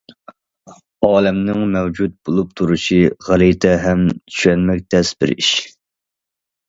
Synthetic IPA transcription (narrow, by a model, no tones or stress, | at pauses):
ɑːlɛmnɪŋmɛwd͡ʒut̪̚bolˠupt̪ʰuɾuʃiʁælit̪ʰɛɦɛmt̪ʰy̥ʃɛnmɛk̚ʲt̪ʰɛsbɪ̰ɾḭʃ